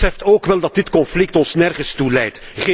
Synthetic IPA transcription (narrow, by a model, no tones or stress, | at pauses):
ɛftoːkʋɛlˠdɑt̚dɪtkɔnflɪk̚tɔnsnɛrɣəstulɛjtχe